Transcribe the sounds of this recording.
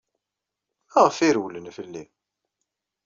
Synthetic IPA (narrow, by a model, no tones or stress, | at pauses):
æʁəfiɾwlənfəlːi